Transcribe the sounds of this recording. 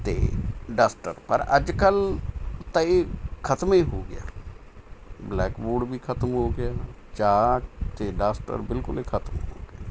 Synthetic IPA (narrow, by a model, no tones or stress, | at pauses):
t̪ḛːɖaːsʈə̰ɾpəɾə̰d͡ʒkəlt̪aekʰət̪miːɦoːɡɪ̰ja̰ː | blɛːkboːɖbiːkʰət̪əmɦoːɡɪjaː | t͡ʃaːt̪eɖaːsʈə̰ɾbɪlkʊleːkʰət̪mɦo̰ːɡɪaː